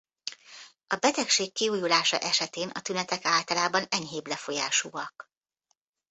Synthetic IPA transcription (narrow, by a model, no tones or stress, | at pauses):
ɒbɛt̪ɛkʃeːkːiuːjulaːʃɒ̰ʔɛʃɛt̪eːnɒ̰t̪ynɛt̪ɛkaːlt̪ɒlaːbɒnɛɲɦeːblɛfo̞ja̰ːʃuːɒk